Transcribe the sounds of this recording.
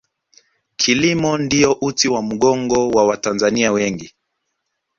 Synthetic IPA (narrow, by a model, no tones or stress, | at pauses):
kʰilimɔndiɔʔutiwam̩ɠɔŋɡɔwawatanzaniawɛŋɡi